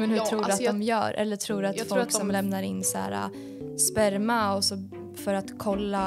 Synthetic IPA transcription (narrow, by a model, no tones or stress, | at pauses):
mɛnhɵt̪ʰɾuːɖat̪d̪ɔmjœ̰ːɾʔɛ̰lːəʈʰɾuːɾat̪fɔlksɔmlɛmnaɾɪnːsæ̰ːɾa̰ | spæɾmaɔsɔ | fœɾat̪kʰɔlːa